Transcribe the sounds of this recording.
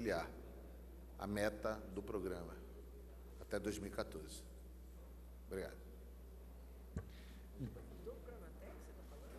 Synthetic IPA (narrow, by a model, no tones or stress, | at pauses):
liaɾ | ɐ̰mɛt̪ɐd̪ʊpɾoɡɾɐ̃mɐ | at̪ɛd̪ojzmiwikat̪oɾzɪ | bɾiɡa̰d̪ʊ | ɾmɐt̪ɛkseɐ